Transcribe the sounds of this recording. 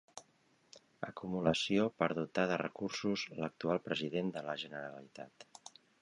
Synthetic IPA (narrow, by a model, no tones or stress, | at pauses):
əkumuləsiopəɾðut̪aðərə̰kursuzlək̚t̪ualˠpɾəziðend̪ələʒənəɾəɾəlit̪at̪